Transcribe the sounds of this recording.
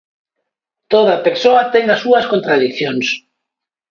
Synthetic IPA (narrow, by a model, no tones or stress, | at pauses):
t̪oð̞ɐpeɾsoɐt̪ɛŋɐsuɐskont̪ɾaðikθjoŋs